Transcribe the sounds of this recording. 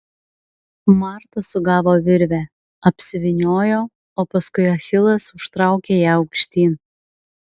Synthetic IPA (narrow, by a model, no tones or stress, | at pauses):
mɑˑɾt̪ɐsʊɡɑːʋoːʋʲɪɾʲʋʲæː | ɐpʲsʲɪʋʲɪnʲoːjoː | oːpɐskʊɪɐxʲɪlˠɐsʊʃt̪ɾɑˑʊkʲeːjɛɐʊkʃʲt̪ʲiːn